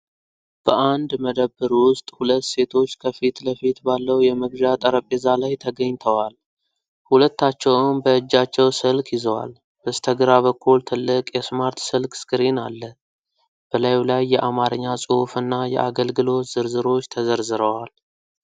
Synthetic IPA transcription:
b̥əʔand̪məd̪əbːɨɾwʊst̪ʼhulət̪ːse̞t̪ʰo̞t͡ʃːkʰəfit̪ləfit̪balːəwjɛmɨɡʒat̪ʼəɾəpʼːezalajt̪ʰəɡəɲːt̪ʰəwal | hulət̪ːat͡ʃːɛwmbəɨd͡ʒːat͡ʃːɛwsɨlkʰjɪzəwa̰l | b̥əst̪ʰəɡɾaβəkːult̪ʰɨlːɨkʼjɛsmaɾt̪sɨlkʼskʰɨɾinalːə | b̥əlajlajːɛʔamaɾɨɲːasʼofɨnːajɛ̰ʔaɡəlɡɨlo̞t̪z̥ɨɾzɨɾo̞t͡ʃːt̪ʰəzəɾzɨɾəwal

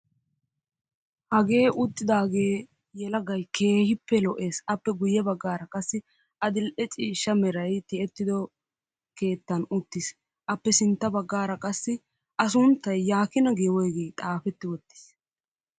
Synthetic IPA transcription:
hɐɡe̞ːʔʊt̪ːɪd̪aːɡe̞ː | jɛlɐɡɐjkʰe̞ːhɪpːɛlɔʔe̞ːsɐpːɛɡʊjːɛbɐɡːaːɾɐkʼɐsːɪ | ʔɐd̪ɪlʔɛt͡ʃʼiːʃːɐmɛɾɐjt̪ɪɛt̪ːɪd̪ɔ | ke̞ːt̪ːɐnʊt̪ːɪs | ʔɐpːɛsɪnt̪ːɐbɐɡːaːɾɐkʼɐsːɪ | ʔɐs̬ʊnt̪ːɐjːaːkɪnɐɡeːwɔjɡejt̪ʼaːfɛt̪ːɪwɔt̪ːɪ̥s

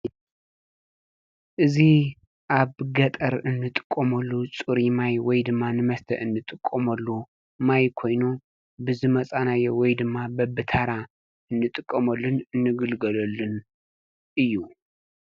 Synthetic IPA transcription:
ʔɨzi | ʔaβɡɐt̪ʼɐɾɨnːɨt̪ʼɨ̥kʼːɐmɐlːut͡sʼɨɾimajwɔjd̪ɨmːanɨmɐst̪ʰɐ̰ʔɨnːɨt̪ʼɨkʼːɐmɐlːu | majkʰo̞jnu | bɨzɨmɐt͡sʼanajɛwɔjd̪ɨmːabɐbɨt̪ʰaɾa | ɨnːɨt̪ʼɨkʼːɐmɐlːɨnɨnːɨɡɨlɡɐlɐlːɨn | ʔɨjːu

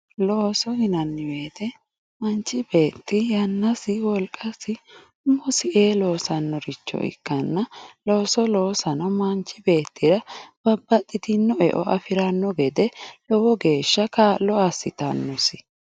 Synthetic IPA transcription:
loːsɔhɪnɐnːɪwe̞ːt̪ɛ | mɐnt͡ʃːɪbe̞ːt̪ːɪjɐnːɐsɪwɔlkʼːɐsɪ | ʊmːɔsɪʔeːloːsɐnːɔɾɪt͡ʃːɔ̰ʔɪ̰kːɐnːɐloːsɔloːsɐnɔmɐnt͡ʃːɪbe̞ːt̪ːɪɾɐb̥ɐbːɐt̪ʼːɪt̪ɪnːɔɛ̰ʔɔ̰ʔɐfɪɾɐnːɔɡɛd̪ɛlɔwɔɡe̞ːʃːɐkaːlːɔɐsɪt̪ɐnːɔsɪ

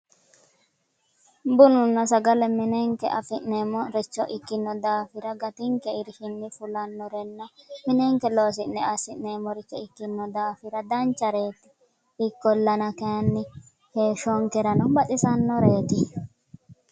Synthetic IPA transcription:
bʊnʊnːɐsɐɡɐlɛmɪneŋkɛʔɐfɪʔneːmɔɾɛt͡ʃːɔʔɪkːɪnːɔd̪aːfɪɾɐɡɐt̪ɪŋkɛɪɾhɪnːɪfʊlɐnːɔɾɛnːɔmɪnɛŋkɛlo̞ːs̬ɪnːɛɐsɪnneːmːɔɾɪkːɛɪkːɪnːɔd̪aːfɪɾɐd̪ɐnt͡ʃːɐɾeːt̪ːɪ̥ | ɪkːɔlːɐnɐkenːɪ | heːʃɔŋkɛɾɐnɔbɐtʼɪsɐnːɔɾeːt̪ɪ

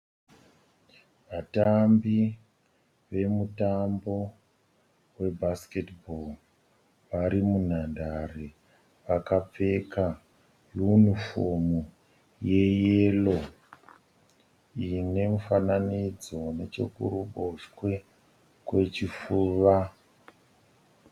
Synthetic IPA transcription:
ʋatambi | ʋe̞mutambo̞ | we̞bʱasketbol | ʋaɾimun̤andare | ʋakap͡fe̞ka | junifomu | je̞jelo̞ | ine̞mufananid͡zo̞ne̞t͡ʃe̞̰kṵɾuɓoʂkwe̞ | kwe̞t͡ʃifuːʋa

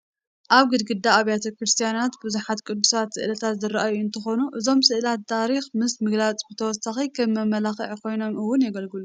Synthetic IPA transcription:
ʔaβɡɨd̪ɡɨd̪ːaaβjat̪ʰɐkɾɨst̪ʰijanat̪buzuħat̪kʼɨd̪ːusat̪sɨ̰ʔlɐt̪ʰat̪zɨɾaʔajuɨnt̪ʰɐxo̞nuʔɨzo̞msɨʔlat̪ːʰaɾixmɨsmɨɡlat͡sʼbɨt̪ʰɐwɔsaxikʰɐːɐmɐlaxɨʕkʰo̞jno̞mʔɨwːʊnjɛɡɐlɡɨlu

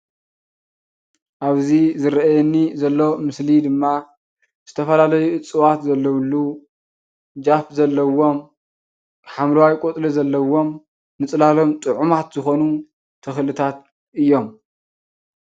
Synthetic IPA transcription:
ʔaβzizɨɾɐajɛnːizɐlːo̞mɨslid̪ɨmːa | z̥ɨt̪ʰɐfɐlalɐjuʔɨt͡sʼːɨwat̪zɐlːɐwlːu | d͡ʒafzɐlːɐwːo̞m | ħamlwajkʼot̪ʼlizɐlːɐwo̞m | nɨt͡sʼlalo̞mt̪ʼɨʕumat̪zɨxo̞nu | t̪ʰɐxlɨt̪ʰat̪ | ʔɨjːo̞m

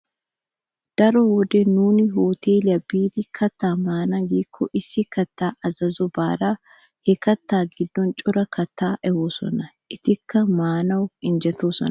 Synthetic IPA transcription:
d̪̥ɐɾɔwɔd̪ɛnuːnɪɦoːt̪eːlɪɐbiːd̪ɪkʰɐt̪ːaːmaːnɐɡiːkʰːɔʔɪsːɪkɐt̪ːaːʔɐzɐzɔbaːɾaː | hɛkɐt̪ːaːɡɪd̪ːɔnt͡ʃʼʊɾɐkʰɐt̪ːaːʔɛho̞ːsɔ̰nɐʔɪt̪ɪkʰːɐmaːnɐwɪnd͡ʒɛt̪oːsɔ̰nɐ

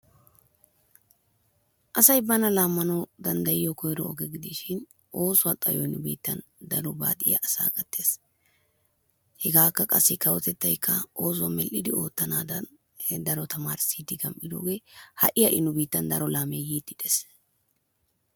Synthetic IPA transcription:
ʔɐsɐjbɐnɐlaːmːɐnɐwd̪ɐnd̪ɐjɪjɔkɔjɾɔɔɡɛɡɪd̪iʃɪn | ʔo̞ːsʊwɐt̪ʼɐ̰jɔɪnʊbḭːt̪ːɐ̰nd̪ɐɾɔba̰ːd̪ʼɪjɐ̰ʔɐsa̰ːkʼɐt̪ːe̞ːs | hɛɡaːkːɐkʼɐ̰sːɪkɐwɔt̪ɛt̪ːɐjkʰːɐo̞ːs̬ʊwɐmɛlʔɪd̪ɪo̞ːt̪ːɐnaːd̪ɐ | d̪ɐɾɔt̪ɐmaːɾɪsiːd̪ɪɡɐmpʼːɪd̪o̞̰ːɡe̞ːhɐ̰ʔɪjɐʔɪnʊbiːt̪ːɐnd̪ɐɾɔlaːmejiːt̪ːɪd̪es

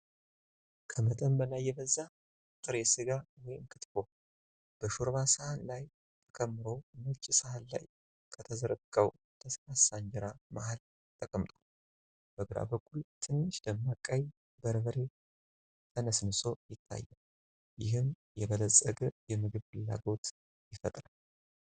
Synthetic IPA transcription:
kʰəmət̪ʼəmbəlajːɛβəzːa | kʼt̪ʼɨɾesɨɡawɔjɪmkʰɨt̪fo̞ | b̥əʃuɾβasəhanlaj | t̪ʰə̥kʼʰəmːɨɾo̞mɨt͡ʃʼɪsəhalla̰j | kʰət̪ʰəzəɾəkʼəw | t̪ʰəsɾasaɲd͡ʒɪɾama̰hal | t̪ʼəkʼmt̪ʼo | b̥əɡɨɾa̰bəkʼʰːult̪ʰɨnːɨʃd̪əmːakʼaj | bəɾβəɾe̞ | t̪ʰənəsnɨso̞jɪt̪ʰːa̰jːɛ | jɪɦɨm | jɛβələsʼːəɡəjɛmɨɡɨβfɨlːa̰ɡo̞t̪ | jɪfət̪ʼɾal

